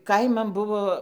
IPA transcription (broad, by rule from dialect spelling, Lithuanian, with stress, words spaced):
ˈkɐɪmɐn ˈbʊʋoː